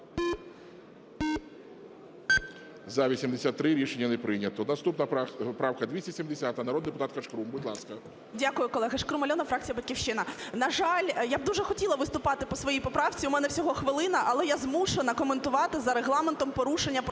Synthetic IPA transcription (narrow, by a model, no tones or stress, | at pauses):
zɐʋʲisʲimd̪esʲat̪ːɾɪɾʲiʃenʲːɐnɛpɾɪnʲɐt̪ɔnɐst̪upnɐpɾɑwkɐd̪ʋʲisʲtʲɐsʲimd̪esʲat̪ɐnɐɾɔd̪d̪epʊt̪at̪kɐʂkɾumbʊdʲlˠɑskɐ | dʲakʊjʊkɔlˠɛɦɐʂkɾumɐlʲɔnɐfɾɑk̚t͡sʲijɐbɐtʲkʲiwʃt͡ʃɪnɐnɐʒɑlʲjab̚d̪uʒɛxɔtʲilˠɐʋɪst̪ʊpɑt̪ɪpɔsʋɔjijpɔpɾɑwt͡sʲiumɛnɛwsʲɔɦɔxʋɪlˠɪnɐʔɐlˠɛjazmuʃenɐkɔment̪ʊʋɑt̪ɪzɐɾeɦlˠɑment̪ɔmpɔɾuʂenʲːɐp